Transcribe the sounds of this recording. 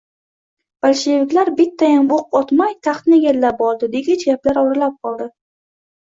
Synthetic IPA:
b̥alʃevɪkʲlaɾbɪt̪ʰːajamboq̚ɒt̪majt̪ʰɑχt̪nɪjʲelːap̚bɒlˠd̪ɪd̪eɡʲat͡ʃʰaplaɾɒɾalap̚qʰɒlˠd̪ɪ

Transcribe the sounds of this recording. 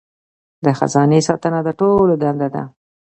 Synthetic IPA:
d̪əxa̰zɑnesɑt̪ənad̪əʈolod̪and̪ad̪a̰

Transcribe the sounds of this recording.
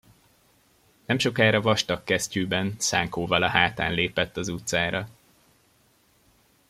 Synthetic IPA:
nɛmʃo̞kaːɾɒvɒʃt̪ɒkːɛscyːbɛnsaːŋkoːvɒlɒɦaːt̪a̰ːnleːpɛt̪ːɒzut̪saːɾɒ

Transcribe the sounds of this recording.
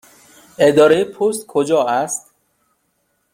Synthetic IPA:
ed̪ɒːɾejepʰost̪kʰod͡ʒɒːæst̪

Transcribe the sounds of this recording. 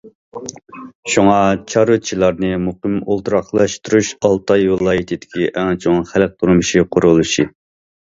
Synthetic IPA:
ʃuŋɑt͡ʃʰɑɾut͡ʃʰilˠɑɾnɨmuqəmolˠt̪ʰuɾɑχlˠɑʃt̪uɾuʃɑlˠt̪ʰɑjvɨlˠɑːjit̪ʰɪd̪ɪkʲiʔɛŋt͡ʃʰoŋnχælk̚ʲt̪ʰuɾmuʃiqʰʊɾulˠuʃi

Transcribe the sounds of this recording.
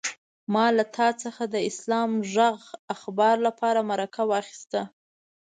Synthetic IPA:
mɑlat̪ʰɑt͡səxad̪əɪslɑmʒaɣaxbɑɾlapɑɾamaɾakʰawɑxi̥st̪a

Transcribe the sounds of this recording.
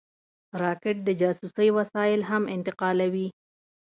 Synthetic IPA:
ɾɑkɪʈ̚d̪əd͡ʒɑsusəjwasɑjɪlɦamɪnt̪ɪqɑlawi

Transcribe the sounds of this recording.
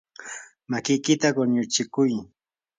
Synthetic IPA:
makɪjkɪt̪aɢoɲʊt͡ʃɪkʊj

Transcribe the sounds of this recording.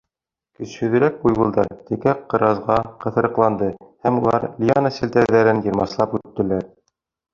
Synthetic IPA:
kɵ̆shɵ̆ðɘ̆ɾæk̚bujβŭlˠd̪ɑ̰ɾt̪ɘ̆kæqːɤ̆ɾɑzʁɑqɤ̆θɤ̆ɾɤ̆qlˠɑnd̪ɤhæmulˠɑ̰ɾlʲianɑsɘ̆lt̪æɾðæɾɘnjɤ̆ɾmɑslˠɑpʉt̪ːɘ̆læɾ

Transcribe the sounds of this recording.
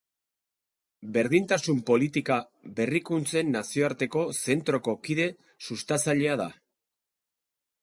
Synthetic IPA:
be̞ɾðint̪asumpo̞lit̪ika | be̞rikunt͡se̞nːasio̞aɾt̪e̞ko̞se̞nt̪ɾo̞ko̞kiðe̞ | sust̪at͡saʎe̞að̞a̰

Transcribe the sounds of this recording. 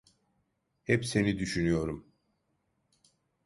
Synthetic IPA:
hɛpse̞nid̪yʃynyjo̞ɾum

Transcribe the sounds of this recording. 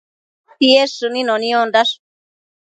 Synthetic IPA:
t̪ieʂɨnĩnõnĩõnd̪aʂ

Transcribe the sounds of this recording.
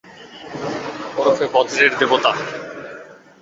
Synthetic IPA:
ɔɾofebɔd̪ɾeɾd̪ebot̪a

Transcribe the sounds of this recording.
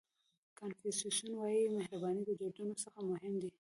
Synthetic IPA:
kanfisusunwɑjimahɾabɑnid̪əd͡ʒoɖanosaxamʊhɪmd̪i

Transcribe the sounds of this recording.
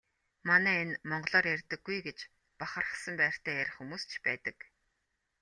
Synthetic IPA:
manæːenmɔɴɢɞ̆ɮɔːrjærʲt̪ɘ̆ɡ̥ːujɡet͡ɕ | paχə̆rə̆sə̆mpæːr̥t̪ʰæːjæɾʲχxumuːst͡ɕʰpæːt̪ə̆k

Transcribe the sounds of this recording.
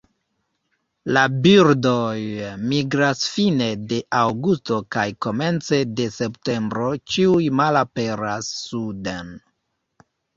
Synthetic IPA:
labiɾdojmiɡɾasfine̞de̞ʔawɡusto̞kajko̞me̞nt͡se̞de̞se̞pte̞mbɾo̞t͡ʃiujmalape̞ɾasːuden

